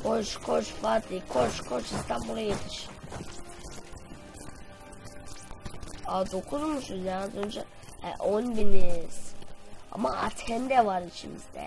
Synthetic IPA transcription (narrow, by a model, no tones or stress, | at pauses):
kʰot͡ʃkʰot͡ʃfat̪ʰikʰot͡ʃkʰot͡ʃist̪ʰambulˠajet̪ʰi̥ʃ | ad̪okʰuzumuʃujanazond͡ʒa | ɛ̰ʔonbiniz̥a̰maa̰t̪ʰɛnd̪ɛvaɾit͡ʃʰimḭzd̪ɛ̰